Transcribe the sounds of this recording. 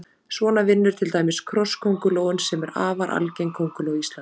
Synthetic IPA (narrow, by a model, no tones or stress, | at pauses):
svɔːnavɪnːʏɾ̥t̪ʰɪlt̪aːjmɪskʰɾɔskʰowŋkʏloːwʏnsɛmɛɾaːvaɾʔa̰lcejŋkʰowŋkʏloːwist̪lan